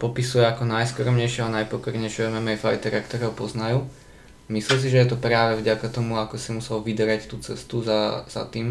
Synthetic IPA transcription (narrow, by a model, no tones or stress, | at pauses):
pɔpisujɛakɔnajskɔɾɔmɲɛjʃɪɛanajpɔkɔɾɲɛjʃɛɛmɛmɛajfajt̪ɛɾakt̪ɔɾɛːɦɔpɔznajuː | mislɛls̬iʒɛjɛt̪ɔpɾaːʋɛvɟakat̪ɔmuakɔsimusɛlʋid̪ɾact̪uːt͡sɛst̪uzaz̥a̰t̪iːm